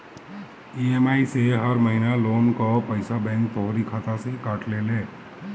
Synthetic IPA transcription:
iemaiseɦəɾməɦinalonkɔpəɪsabɛ̃ŋk̚t̪oɦoɾikʰat̪asẽikaʈlele

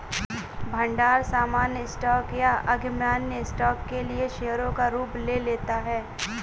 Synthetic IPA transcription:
bʱɐ̃ɳɖaːɾsaːmaːnjəɪsʈɔːkjaʔɐɡmjaːnjəɪsʈɔːkːelieʃeːɦəɾõkaɾuːpleːleːt̪aɦɛː

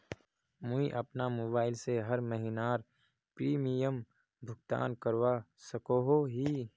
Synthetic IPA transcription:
mʊiʔɐpnamoːbaːɪlseɦɐɾməɦinaːɾ | pɾiːmijəm | bʱʊɡt̪a̰ːnkɐɾwasɐkoɦoɦiː

